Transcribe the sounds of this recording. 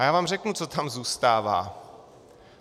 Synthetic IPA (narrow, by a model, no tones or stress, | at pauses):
jaːvaːmrɛknut͡so̞t̪amzuːst̪aːva̰ː